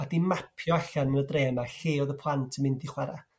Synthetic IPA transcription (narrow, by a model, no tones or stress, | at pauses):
adimapʰjɔaɬanmɪldreːmaɬeːɔðəpʰlˠantʰəmɪndiχwɛɾa